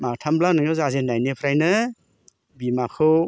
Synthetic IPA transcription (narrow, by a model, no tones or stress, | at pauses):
matʰamblawnɯŋɯzazenːajnepʰɾajnɯ | bimakʰɯw